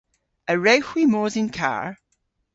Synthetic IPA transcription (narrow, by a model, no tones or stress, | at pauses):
əɹɛhwimoːzɪ̃nkʰa̰ɹ